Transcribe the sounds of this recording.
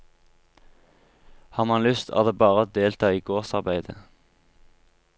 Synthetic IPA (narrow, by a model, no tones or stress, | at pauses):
hɑːʁmɑnlʏst̪ʰɑ̰ːʁd̪eːbɑːʁəd̪eːlt̪ʰɑːiːɡoːʁsɑʁbæɪd̪ə